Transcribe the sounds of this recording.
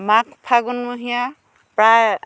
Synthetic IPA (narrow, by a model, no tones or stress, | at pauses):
makpʰaɡunmuɦija | pɾa